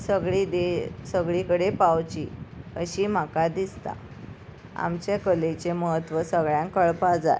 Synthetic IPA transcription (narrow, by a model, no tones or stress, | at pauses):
səɡɭid̪esəɡɭikəɽepawt͡ɕḭəɕiːm̤akad̪ist̪a̰ | a̰mt͡ɕekəlet͡ɕeməɦət̪ːʋəsəɡɭjãŋkəɭpad͡za̰j